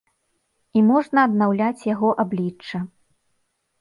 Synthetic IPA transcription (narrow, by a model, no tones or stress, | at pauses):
imɔʐnɐːd̪nawlʲat͡sʲjaɣɔʔablʲit͡ʂt͡ʂːɐ